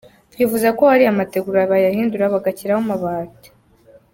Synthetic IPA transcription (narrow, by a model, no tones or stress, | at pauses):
βɡiːvuzako̞haɾiamate̞ɡuɾaβajahiːnduɾaβaɡaciɾahomaβaːte̥